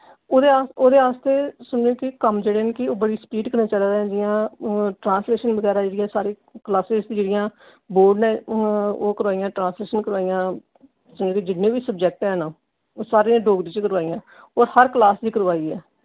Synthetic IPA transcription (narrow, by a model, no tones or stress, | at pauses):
oːd̪eaːoːd̪eːaːst̪eːsʊnd͡ʒeːkɪkəmd͡ʒeːɽeːnkɪoːbəɽiːspiːɖkəɾnaːt͡ʃaːlaːɾ̃d͡ʒɪjãːʈɾãːnsleːʃənbəɡɛːɾaːd͡ʒeːɽɪjãːsaːɾeː | klaːseːzt̪ːd͡ʒeːɽɪjãː | boːɖnɛ̃ːoːkəɾʋaːijãːʈɾãːsleːʃənkəɾʋaːijãː | sʊ̃nd͡ʒoːkid͡ʒɪnẽːʋiːsəb̚d͡ʒɛːk̚ʈɛ̃ːnaː | saːɾeːãɖoːɡɾiːt͡ʃkəɾʋaːijãː | oːɾhəɾklaːsd͡ʒ̪iːkəɾʋaːiːɛː